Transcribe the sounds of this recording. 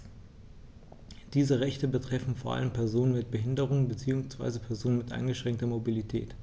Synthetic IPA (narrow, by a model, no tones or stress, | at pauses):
d̥iːzəʁɛçtəbətʁ̥ɛfn̩foːɐʔa̰ləmpʰɛɐzoːnənmɪt̚b̥əɦɪndəʁ̞ʊŋənbət͡siːʊŋsv̥a̰ɪzəpʰɛɐzoːnənmɪtʔa̰ɪnŋɡəʃʁ̥ɛŋk̚tɐmobilitʰɛ̰ːt